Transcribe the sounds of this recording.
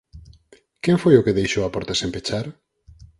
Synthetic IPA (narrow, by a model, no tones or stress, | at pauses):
kɛɱfojʊkeðejʃoapɔɾt̪asempet͡ʃaɾ